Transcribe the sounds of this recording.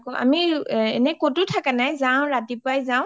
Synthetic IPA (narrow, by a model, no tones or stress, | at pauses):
kɔʔa̰miɛ̰nɛkotutʰakanajzaʊ̃ɹatipʊajzaʊ̃